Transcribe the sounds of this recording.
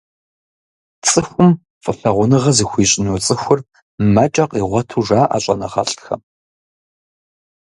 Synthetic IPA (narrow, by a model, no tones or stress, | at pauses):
t͡sʼɨxʷʊm | fʼəfɐʁʷʊnɨʁɐzixʷiːɕʼɪnut͡sʼɨxʷʊr | mɐt͡ʃʼɐqʼiːʁʷɔtʰuːʒaːʔa̰ːɕʼɐnɐʁɐ̰ɬʼxɐ̰